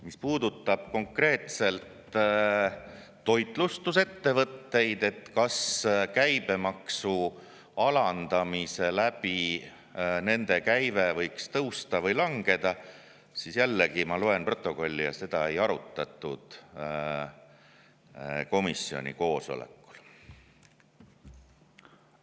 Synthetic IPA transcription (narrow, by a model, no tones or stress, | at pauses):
mispuːd̪̥ut̪ːˑɑb̥̚ko̞ŋkre̞ːt̪se̞lt̪ | o̞jt̪ˑlust̪use̞t̪ːe̞vɤt̪ːe̞jd̪e̞t̪ːkɑskæjb̥e̞mɑksu | ɑlɑnd̪̥ɑmise̞læb̥i | ne̞nd̪̥e̞kæjvevɤ̞jkst̪ɤwst̪ɑvɤjlɑŋɡ̥e̞d̪̥ɑ | sisjælːeɡimɑloe̞npro̞t̪ːˑo̞ko̞lʲːijɑ̰se̞d̪̥ɑe̞jɑɾut̪ˑːɑt̪ːˑud̪̥ | ko̞misːio̞̰nʲḭko̞ːso̞̰lḛkːˑu̥l